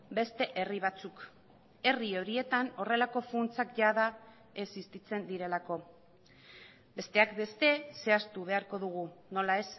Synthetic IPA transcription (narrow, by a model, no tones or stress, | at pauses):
be̞st̪e̞ʔe̞riβ̞at͡suk | e̞rio̞ɾie̞t̪ano̞re̞lako̞funt͡sakʝaða | e̞sist̪it͡se̞nd̪iɾe̞lako̞ | be̞st̪e̞akbe̞st̪e̞se̞ast̪uβ̞e̞aɾko̞ðuɣ̞uno̞lae̞s